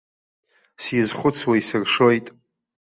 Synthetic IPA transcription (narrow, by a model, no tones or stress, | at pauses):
sizχʷʊt͡sʰwaisɨrʂojtʼ